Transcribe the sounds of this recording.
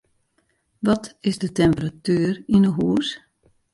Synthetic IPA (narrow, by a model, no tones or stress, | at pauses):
ʋɔtɪzdətɛmpəratyːərinəɦuːəs